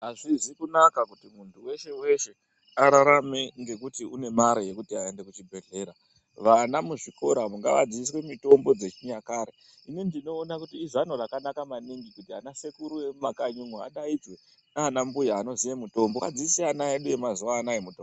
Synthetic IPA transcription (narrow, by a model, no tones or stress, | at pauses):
ɦaʐizikunakakutimuntʰuwe̞ʃe̞we̞ʃe̞ | aɾaɾame̞ŋɡe̞kutiune̞maɾejekutiae̞nde̞kut͡ʃibʱe̞ɮe̞ːɾa | ʋanamuʐiko̞ɾamuŋɡa̰ʋa̰d͡zis̬we̞mito̞mbo̞d͡ze̞t͡ʃiɲakaɾe | inindino̞ːnakutiːzanorakanakamaniŋɡikutiɦanase̞kuɾujemumakaɲumwua̰ɗaid͡zwe̞ | nanambujaːno̞zijemuto̞mbokad͡ziisianaeɗuje̞mazuwaːnaemuto